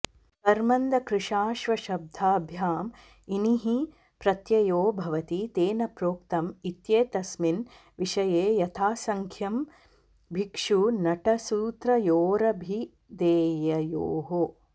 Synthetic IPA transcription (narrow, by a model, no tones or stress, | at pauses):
t̪ɐɾmɐnd̪ɐkɾɪʂaːʃʋɐʃɐb̚d̪ʱaːbʱjaːm | iniɦi | pɾɐt̪jɐjoːbʱɐʋɐt̪it̪eːnɐpɾoːk̚t̪ɐmit̪jeːt̪ɐsmin | ʋiʃɐjeːjɐt̪ʰaːsɐŋkʰjɐm | bʱikʂunɐʈɐsuːt̪ɾɐjoːɾɐbʱi | d̪eːjɐjoːɦo